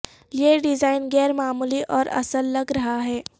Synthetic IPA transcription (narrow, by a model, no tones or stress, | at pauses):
jeɖɪzaːɪnɡɛːɾmaːmuliʔɔːɾɐ̰səlːɐɡɾɐɦaɦɛː